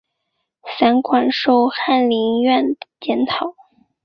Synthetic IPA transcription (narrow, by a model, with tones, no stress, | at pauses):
sa˧˥nkʰwa˨˩nʂo˥˧ʊxa˥˩nli˧˥nɥɛ˥˩nə˩t͡ɕjɛ˧˥nt̪ʰɑ˨˩˦ʊ